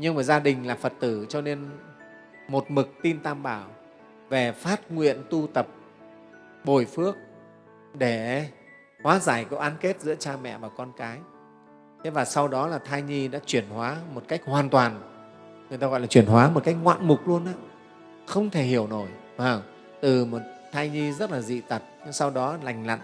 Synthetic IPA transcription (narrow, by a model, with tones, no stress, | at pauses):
ɲɨ˧ŋvaː˨˩zaː˧ɗï˨˩ŋ̟laː˨˩fə˨˩t̚t̪ɨ˧˩t͡ɕɔ˧ne˧n | mo˨˩t̚mɨ˨˩k̚t̪i˧nt̪aː˧mɓaː˧˩w | ve˨˩faː˦˥t̚ŋwḭ˧˨ənt̪u˧t̪ə˨˩p̚ | ɓo˨˧˩jfɨ˦˥ək̚ | ɗe˧˩ | hwaː˨˦zaː˧˩jkɔ˨˦ʔaː˨˦nke˦˥t̚zɨ̰˧˥ət͡ɕaː˧mɛ̰˧˨vaː˨˩kɔ˧nkaː˨˦j | t̪ʰe˨˦vaː˨˩sa˧wɗɔ˨˦laː˨˩t̪ʰaː˧jɲi˧ɗa̰ː˧˥t͡ɕwi˧˩ənhwaː˨˦mo˨˩t̚ka˦˥jk̟̚hwaː˨˩nt̪waː˨˩n | ŋɨ˨˩ət̪a˧ɣɔ̰˧˨jlaː˨˩t͡ɕwi˧˩ənɦwaː˨˦mo˨˩t̚ka˦˥jk̚ŋwa̰ː˧˨nmʊ˨˩k͡p̚lu˧ənʔaː˧˥ | xə˧wŋ͡mt̪ʰe˧˩hi˧˩əwno˧˩j | aː˨˩w | t̪ɨ˨˩mo˨˩t̚t̪ʰaː˧jɲi˧zə˦˥t̚laː˨˩zḭ˧˨t̪ə˨˩t̚ɲ˧sa˧wɗɔ˨˦la˨˩jŋ̟la̰˧˨n